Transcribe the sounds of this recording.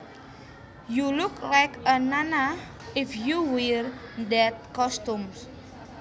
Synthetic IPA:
juluklajkənana | ɪfjuwiɾd̪ɛt̪̚kɔstũms

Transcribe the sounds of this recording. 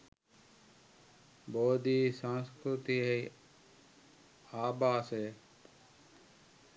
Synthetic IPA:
boːd̪iːsãːnskɾʊt̪iːɦei | aːbaːseː

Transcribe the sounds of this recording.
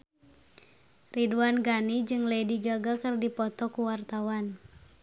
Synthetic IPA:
riduanɡanid͡ʒɨŋlediɡaɡakɨrdipɔt̪ɔkuwart̪awan

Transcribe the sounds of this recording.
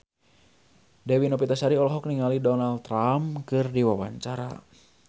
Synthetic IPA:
dɛwinɔpit̪asaɾiɔlɔɦɔk̚niŋalidɔnalt̪ːɾamkɨrdiwawaɲt͡ʃaɾa̰

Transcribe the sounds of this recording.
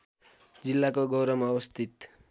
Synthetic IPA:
d͡zilːakoɡʌwɾʌmʌwʌst̪ʰit̪

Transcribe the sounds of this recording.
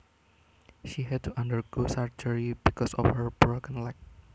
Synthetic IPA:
ʃiɦɛd̚tuʔãndəɹɡosaɹd͡ʒəɹibikɔsɔ̰fhəɹbɹokə̃nlak̚

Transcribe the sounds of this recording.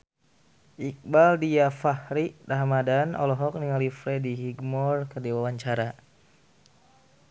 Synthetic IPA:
ʔik̚baldijafahɾiʔdaɦamadanʔɔ̰lɔɦɔk̚niŋalifɾɛdiɦiɡmɔrkərdiwawaɲt͡ʃaɾa

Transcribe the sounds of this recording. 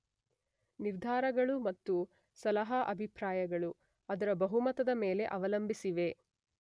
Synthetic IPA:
niɾd̪ʱaːɾɐɡɐɭumɐt̪ːu | sɐlɐɦɐʔɐbʱipɾaːjɐɡɐɭu | ɐd̪ɐɾɐbɐɦumɐt̪ɐd̪ɐmeːle̞ʔɐʋɐlɐmbʱisiʋe̞

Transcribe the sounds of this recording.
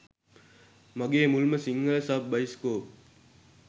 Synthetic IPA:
mɐɡeːmulməsiŋɡəlsɐp̚bɐjskoːp̚

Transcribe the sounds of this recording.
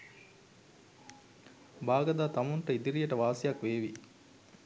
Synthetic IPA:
baːɡɐd̪aːt̪ɐmuɳʈɐid̪iɾijɐʈɐʋaːsijakʋeːʋi

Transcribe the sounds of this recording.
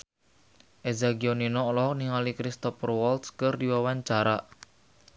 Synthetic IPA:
ʔezaɡiɔninɔlɔɦɔk̚niŋalikɾist̪ɔfrwɔlt̪skɨrdiwawaɲt͡ʃaɾaʔ

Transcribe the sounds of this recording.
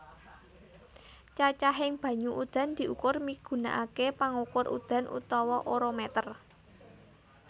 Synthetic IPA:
t͡ʃat͡ʃaɦɪŋb̥ä̤ɲuʔud̪̥a̤nd̪̥i̤ʔukʊrmiɡ̥ṳna̰ʔakepaŋukʊrʔṵd̪̥a̤nʔṵt̪ɔwɔʔoɾomɛt̪ər

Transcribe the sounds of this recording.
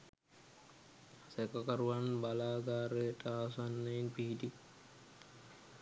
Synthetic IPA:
sɛkɐkaɾuʋanbalaːɡaːɾeʈaːsanːəinpiɦidi

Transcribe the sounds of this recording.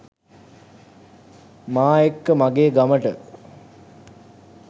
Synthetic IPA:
maːekːəmaɡeːɡaməʈə

